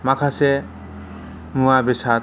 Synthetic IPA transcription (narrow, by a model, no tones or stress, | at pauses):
makʰase | muabisa